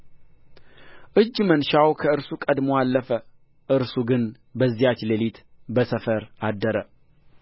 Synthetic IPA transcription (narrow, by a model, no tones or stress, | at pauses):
ʔɨd͡ʒːmənʃawkʰəɨɾsukʼəd̪moalːəfə | ʔɨɾsuɡɨn | bəzːijat͡ʃlelit̪bəsəfəɾad̪ːəɾə